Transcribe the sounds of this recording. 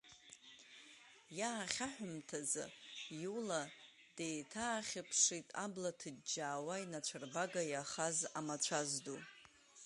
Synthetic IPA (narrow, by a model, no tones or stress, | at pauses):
jaːχʲaħʷᶣʊmtʰaza̰jula | d̥ejtʰaːχʲɪpʰʂitʼablatʰɨdd͡ʒaːwainat͡ʃʷʰarbaɡajaχazamat͡ʃʷʰazdu